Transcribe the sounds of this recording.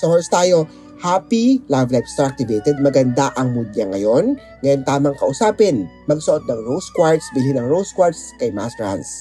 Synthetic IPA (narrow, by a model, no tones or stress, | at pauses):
sɐhoɹst̪aːjo̞ | haːpilajvlajpst̪ɾak̚t̪ɪvejt̪ɛd̪̚mɐɡɐnd̪aʔɐŋmud̪̚ɲɐŋːɐjo̞n | ŋɐjont̪aːmɐŋkɐʔʊsaːpɪnmɐɡ̚sʊʔot̪̚nɐŋɹowskwaɹt̪sbilinɐŋɹowskwaɹt̪skɐjma̰stɹa̰ns